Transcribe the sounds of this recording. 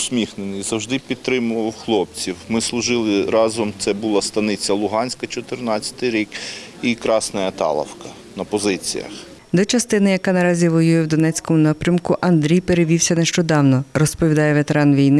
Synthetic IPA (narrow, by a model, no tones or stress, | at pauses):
sʲmʲixnenɪjzɐwʒd̪ɪpʲid̪̚t̪ɾɪmʊʋɐwxlˠɔp̚t͡sʲiwmɪslˠʊʒɪlˠɪɾɑzɔmt̪sɛbʊlˠɑst̪ɐnɪt͡sʲːɐlˠʊɦɑnʲsʲkɐt͡ʃɔt̪ɪrnɑt͡sʲːɐ̥t̪ɪjɾʲikikɾɑsnɐjɐt̪ɑ̰lˠɐ̰wkɐ | nɐpɔzɪt͡sʲḭjɐ̰x | d̪ɔt͡ʃɐst̪ɪnɪjɐkɑnɐɾɑzʲiʋɔjujɛwd̪ɔnɛt͡sʲkɔmʊnɑpɾʲɐmkʊʔɐnd̪ɾʲijpeɾeʋʲiwsʲɐneʃt͡ʃɔd̪ɑwnɔrɔspɔʋʲid̪ɑjɛʋet̪eɾɑnʋʲijnɪ